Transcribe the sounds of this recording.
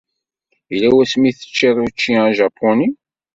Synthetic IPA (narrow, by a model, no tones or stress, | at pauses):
ilæwæsmiθə̥t͡ʃːiðˤut͡ʃːiãʒɑpʰːʊni